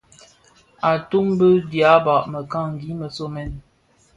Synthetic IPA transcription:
a˨tu˦mbə˦dja˨˦ba˨ʔmə˨ka˦˨ŋ˨ɡi˨˦mə˨so˦mɛ˦n

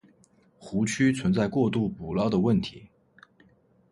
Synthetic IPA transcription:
xu˧˥t͡ɕʰy˥t͡sʰwə˧˥nt͡sa˥˧ɪkwɔ˥˧t̪u˥˩pu˨˩lɑ˥ʊd̪ə˨wə˥˩nt̪ʰi˧˥

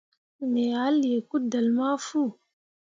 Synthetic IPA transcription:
me˨a˨˦li˨je˨ku˦da˨lma˦fu˦˨

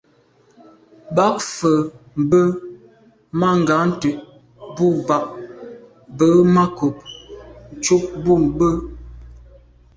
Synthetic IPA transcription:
ba˨˦k̚fə˨m̩˨bə˦ | ma˦˨ŋ̩˨ɡa˨˦n̩˦tə˨ʔ | bu˦ba˨ʔ | bə˨˦ma˦ku˨p̚n̩˨t͡ʃu˦k̚bu˦m˦bə˦

